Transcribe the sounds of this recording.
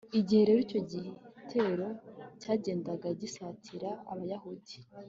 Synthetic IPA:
iɟihe̞ɾeɾico̞ɟitʰeɾo̞caːɟe̞ːndaɡaɟisatʰiɾaːβajahudi

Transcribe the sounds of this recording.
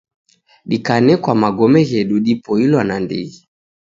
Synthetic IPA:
ɗikanɛkwamaɡɔmɛɣɛɗuɗipɔilwanandḭɣi

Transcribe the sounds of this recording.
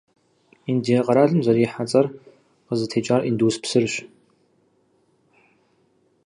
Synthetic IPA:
indiːɐqɐɾaːɮɨmzɐɾiːħat͡sʼɐr | qəzɨtʰeːt͡ʃʼaːrʔinduːspsɨrɕ

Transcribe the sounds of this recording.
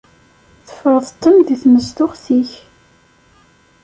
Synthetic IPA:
θə̥fəðˤt̪ːəmðiθməzt̪ʊʁθiç

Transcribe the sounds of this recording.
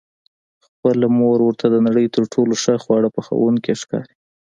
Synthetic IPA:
xpəlmoɾwəɾt̪ʰad̪ənaɽəjt̪əɾʈʰoloʂəxwɑɽəpəxə̰wunkeʃkɑ̰ɾi

